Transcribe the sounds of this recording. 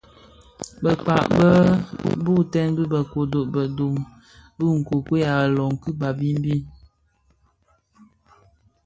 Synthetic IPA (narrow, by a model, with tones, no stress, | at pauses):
bə˨k͡pa̰˨ʔbə˦bu˦˨tɛ˦nbi˦bə˨ko˨do˨ʔbə˨do˨m | bɨ˦ŋ̩˨ko˨kwe˦ja˨lɔ˨ŋ̩˨kɨ˦ba˨bi˦m̩˦bi˦